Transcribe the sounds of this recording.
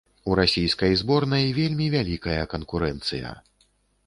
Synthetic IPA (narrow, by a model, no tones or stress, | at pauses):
uɾasʲijskɐjzbɔrnɐjvʲelʲmʲivʲalʲikɐjɐkɐnkuɾɛnt̪sɨjɐ̰